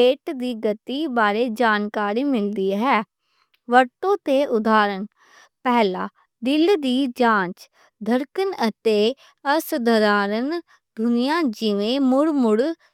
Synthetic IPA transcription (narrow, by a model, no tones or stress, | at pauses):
eːʈd̪iːɡət̪iːbaːɾeːd͡ʒaːnkaːɾiːmɪld̪iːɦɛː | ʋəɾt̪õːt̪eːʔʊd̪aːɾən | pɛːlaː | ɖ̪ɪld̪iːd͡ʒãːt͡ʃ | d̪ʱəɾkənət̪eː | əsd̪əɾaːɾən | d̪ʊnɪjãːd͡ʒɪʋẽːmʊɽmʊɽ